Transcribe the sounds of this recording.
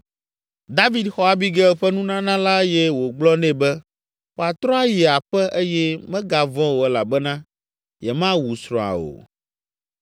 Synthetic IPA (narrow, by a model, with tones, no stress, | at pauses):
d̪a˦vi˦d̪xɔ˦a˨bi˦ɡɛ˦ɛ˨ɸɛ˦nũ˦nã˦nã˦la˦jɛ˦wo˨ɡ͡blɔ˦nɛ̃˦bɛ˦ | wo˨a˨t̪ɾɔ̃˦a˦ji˨a˨ɸɛ˦ʔe˦jɛ˦mɛ̃˦ɡa˨vɔ̃˦wo˨ɛ˦la˨bɛ˦nã˦ | jɛ˨mã˦wu˨sɾɔ̃˨a̰˨o̰˨